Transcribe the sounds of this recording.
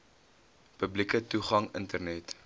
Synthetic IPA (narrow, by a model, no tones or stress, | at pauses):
pəblikətuχɐŋəntərnɛt